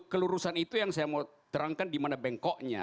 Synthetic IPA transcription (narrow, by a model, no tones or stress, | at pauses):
kəluɾusanit̪ujaŋsajama | t̪əɾaŋkandimanabɛŋkɔʔɲa̰